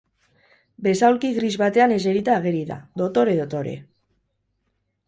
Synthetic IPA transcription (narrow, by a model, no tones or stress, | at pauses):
be̞sawlkiɣrizβat̪e̞ane̞seɾit̪aːɣeɾiða̰ðo̞t̪o̞ɾe̞ðot̪oɾe̞̰